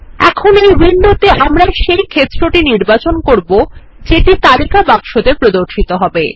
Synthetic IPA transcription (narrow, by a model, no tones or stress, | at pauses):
ɛ̰kʰonejbinːot̪eʔamɾaʃejkʰet̪ːɾoʈiniɾbat͡ɕonkoɾbo | d͡ʑeʈit̪aɾikabakʃod̪epɾod̪oɾʃit̪oɦɔbe